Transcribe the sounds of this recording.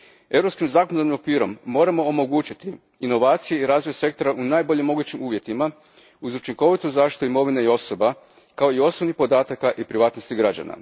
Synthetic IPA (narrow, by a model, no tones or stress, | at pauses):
e̞vɾo̞pskimzaːkonod̪aɾnimo̞kʋiːɾo̞̰mːo̞ːɾamo̞ːmo̞ɡuːt͡ʃit̪iː | no̞ʋaːt̪sije̞iɾaːzʋojese̞k̚t̪oɾaʔunaːjbo̞ʎemo̞ɡut͡ɕimuːʋje̞t̪ima | uzut͡ʃiŋko̞ʋit̪uzaːʃi̥t̪uimo̞ʋineio̞so̞ba | kao̞io̞snoʋnipo̞d̪aːt̪akaʔipɾiʋaːt̪no̞st̪iɡɾad͡ʑa̰na̰